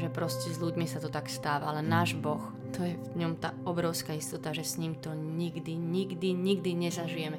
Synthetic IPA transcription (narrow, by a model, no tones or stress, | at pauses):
ʒɛpɾɔscɛzʎuɟmisat̪ɔt̪akst̪aːʋaalɛnaːʒbɔx | t̪ɔjɛvɲɔmt̪aːɔbɾɔʊskaist̪ɔt̪aʒɛsɲimt̪ɔɲiɡd̪iɲiɡd̪iɲiɡd̪iɲɛzaʒijɛmɛ